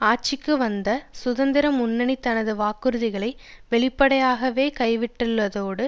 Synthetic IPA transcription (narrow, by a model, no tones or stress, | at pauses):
aːʈ̚t͡ʃɪkːɯʋɐnd̪ɐsʊðɐnd̪ɪɾɐmʊnːɐɳit̪ːɐnɐðɯʋaːkɯɾɯðɪɣɐɭɐɪʋɛɭɪpːɐɽɐjaːɣɐʋeːkɐɪʋɪʈːɯlːɐðoːɽɯ